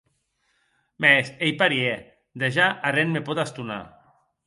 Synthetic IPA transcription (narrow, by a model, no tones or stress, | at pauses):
mɛsejpaɾie | d̪eʒaʔarenmepɔt̪ast̪una̰